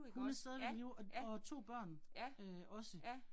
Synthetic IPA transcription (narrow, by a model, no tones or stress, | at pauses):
hunæsd̥ɛðˠʋe̥ɒt͡sʰo̝̰ːb̥ɶɐ̰nøʔɒ̽sə